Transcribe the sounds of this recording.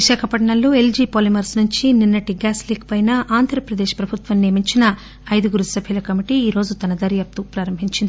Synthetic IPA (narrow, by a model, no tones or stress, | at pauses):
ʋiʃaːkʰɐpɐʈɳɐlːoːe̞ld͡ʒiːpoːlimɐɾsnuɲt͡ʃininːɐʈiɡaːsliːk̚pɐjnɐʔaːnd̪ʱɾɐpɾɐd̪eːʃpɾɐbʱut̪ʋɐnːeːmiɲt͡ʃinɐː | jd̪ɐɡuɾusɐbʱjulɐkɐmiʈiiːɾo̞ːd͡ʒut̪ɐnɐd̪ɐɾjaːp̚t̪upɾaːɾɐmbʱiɲt͡ʃind̪ii